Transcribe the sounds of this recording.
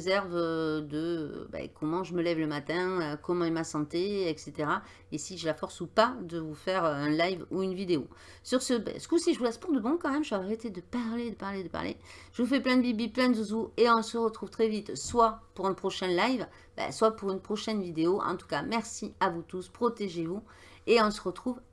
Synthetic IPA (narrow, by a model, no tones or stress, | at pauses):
zɛʁvød̪ə̰bɛ̰kʰɔmɑ̃ʒəməlɛvləmat̪ɛ̃økɔmɑ̃ɛmasɑ̃t̪eɛkset̪eʁa | esiʒəlafɔʁsupad̪əvufɛʁøɛ̃lajvuynvid̪eo | syʁsəbɛ̰sə̥kusiʒəvulɛspuʁd̪əbɔ̃kɑ̃mɛmʒəaʁet̪ed̪əpaʁled̪əpaʁled̪əpa̰ʁlʔḛʒəvufɛplɛ̃d̪əbibiplɛ̃d̪uzueɔ̃səʁət̪χuvt̪χɛvit̪swapuʁɛ̃npχɔʃɛ̃nlajv | bɛ̰swapuʁynpχɔʃɛnvid̪eoʔɑ̰̃t̪u̥kamɛʁsiavut̪uspχɔt̪eʒevu | eɔ̃səʁət̪χuv